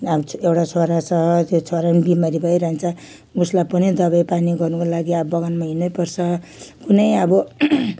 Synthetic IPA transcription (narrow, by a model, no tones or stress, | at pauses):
ʌewʈat͡sʰoɾat͡sʰʌt̪jot͡sʰoɾanibimaɾibʱʌjɾʌɦent͡sʰʌ | uslapʌnid̪ʌβajpaniɡʌrnukolaɡiʌbʌɡanmaɦinʌjpʌrt͡sʰʌkunʌjʌbʌ